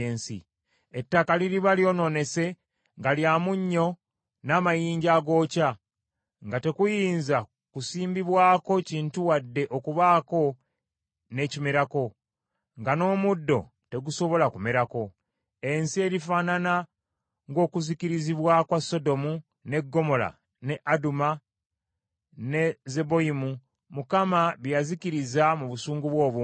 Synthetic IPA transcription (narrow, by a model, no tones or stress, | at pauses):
eːnsḭ | etːakaliɾiβaljo̞ːno̞ne̞se̞ | ŋɡaljaːmuɲːo̞ | naːmajiːɲɟaːɡo̞ːca | ŋɡate̞kujiːnza | kusiːmbiβwaːko̞ciːntuwadːe̞ʔo̞kuβaːko̞ | ne̞cimeɾako̞ | ŋɡano̞ːmudːo̞̰ | te̞ɡuso̞βo̞lakumeɾako̞ | e̞nsie̞ːɾifaːnana | ŋɡo̞ːkuziciɾiziβwakwaso̞do̞mu | ne̞ɡːo̞mo̞la̰ | ne̞ʔaduma | ne̞ze̞bo̞imu | mukamaβjaziciɾizamuβusuːŋɡuβwo̞ːβu